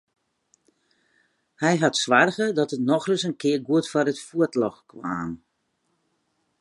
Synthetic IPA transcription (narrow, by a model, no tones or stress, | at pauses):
hɛjɦatsʋarɣədɔtətnɔxrəsənkʰɪərɡuətfɔɾətfuətlɔxkʰwa̰ːm